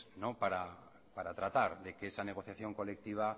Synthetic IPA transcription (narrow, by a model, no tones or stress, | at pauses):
nopaɾa | paɾat̪ɾat̪aɾðe̞keesaneɣ̞o̞θjaθjo̞ŋko̞le̞k̚t̪iβ̞a